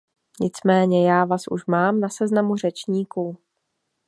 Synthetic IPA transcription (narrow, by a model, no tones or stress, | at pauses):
ɲɪt͡smɛːɲɛjaːvaːsʔṵʃmaːmnasɛznamur̝ɛt͡ʃɲiːkuː